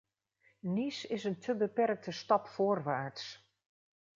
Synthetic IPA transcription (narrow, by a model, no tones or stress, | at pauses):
nisɪsəntʰəbəpɛrk̚tʰəstɑpfoːrʋaːɹts